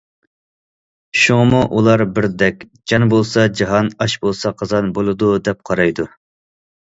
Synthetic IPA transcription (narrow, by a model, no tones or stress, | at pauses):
ʃuŋəmuʔulˠɑɾbɪɾd̪ɛkʲ | d͡ʒɑnbolˠsɑd͡ʒɑɦɑnɑʃbolˠsɑqʰɑzɑnbolˠɨd̪ud̪ɛp̚qʰɑɾɑjd̪u